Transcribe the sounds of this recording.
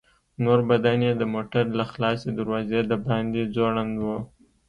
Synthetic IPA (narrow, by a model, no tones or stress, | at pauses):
noɾbad̪anjed̪əmoʈaɾlaxlɑsed̪əɾwɑzed̪əbɑnd̪izoɽand̪wo